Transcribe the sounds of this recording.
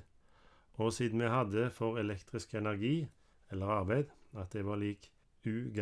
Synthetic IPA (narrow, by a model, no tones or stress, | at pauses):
ʔoːsiːd̪n̩meɪhɑd̪əfɔʁɛlɛkt̪ʁɪskɛnæʁɡiː | ɛlːəʁɑʁbæɪd̪ɑt̪̚d̪eːʋɑːʁliːk | ʉːɡ